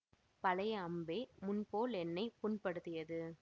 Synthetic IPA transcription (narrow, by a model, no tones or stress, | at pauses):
pɐlɐjɐmbeːmʊnpoːlɛnːɐɪpʊnpɐɽɯt̪ːɪjɐðɯ